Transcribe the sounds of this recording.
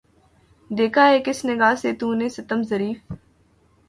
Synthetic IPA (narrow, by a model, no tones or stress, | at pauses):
d̪eːkʰaːɦeːkɪsnɪɡaːseːt̪ũːneːsɐt̪əmzɐɾiːf